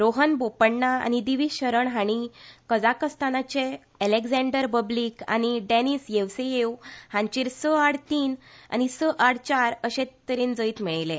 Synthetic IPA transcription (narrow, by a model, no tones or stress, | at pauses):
ɾoɦənbopəɳːaa̰ñid̪iʋiːɕəɾəɳɦaɽ̃ikəd͡zakəst̪anat͡ɕe | ɛleɡd͡zɛ̃ɳɖəɾpəbliːka̰ñiɖeniːsjeʋsejewhãɲt͡ɕiːɾsəaɽt̪iːna̰ñisəʔaɽt͡ɕaɾəɕẽt̪ːəɾiːnd͡zəiːt̪miɭlẽ